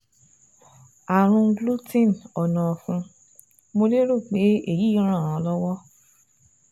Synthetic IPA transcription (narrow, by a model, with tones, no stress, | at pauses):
a˨ɾ̃ũ˧˦ɡlu˦tĩ˦˨nɔ˨nã˨fũ˧ | mo˧le˦ɾo˦˨k͡pe˨˦e˦˨ji˨˦ɾ̃ã˦˨ɾ̃ã˨˧˦lɔ˦wɔ˦